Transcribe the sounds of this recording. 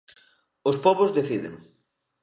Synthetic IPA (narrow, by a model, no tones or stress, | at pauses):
ʊspɔβʊzðeθiðɪ̰ŋ